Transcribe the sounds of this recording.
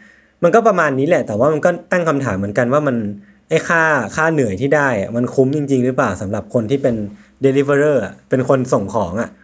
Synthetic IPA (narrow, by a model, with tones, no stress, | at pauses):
ma˧nkɔː˥˩pɾa˧maː˧nːiː˦˥lɛ˨˩t̪ɛː˨˩waː˥˩ma˧nkɔː˥˩t̪a˥˩ŋkʰa˧mt̪ʰaː˩˦mːɯ˩˦nka˧nwaː˥˩ma˧n | ʔa˥˩jkʰaː˥˩kʰaː˥˩nɯ˨˩əjt̪ʰiː˥˩daː˥˩ja̰˨˩ma˧nkʰu˦˥mt͡ɕi˧ŋt͡ɕi˧ŋɾɯː˦˥plaː˨˩wsa˩˦mɾa˨˩p̚kʰo˧nt̪ʰiː˥˩pe˧ndeː˧li˦˥fe˧ɾɤː˥˩ʔa˨˩pe˧nkʰo˧nso˨˩ŋkʰɔː˩˦ŋʔa˨˩ʔ